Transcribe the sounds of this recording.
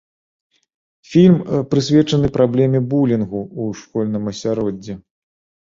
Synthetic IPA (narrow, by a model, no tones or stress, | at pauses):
fʲilʲmpɾɨsʲvʲɛt͡ʂɐnɨpɾablʲɛmʲɛbulʲinɣuuʂkɔlʲnɨmɐsʲaɾɔd͡zʲːi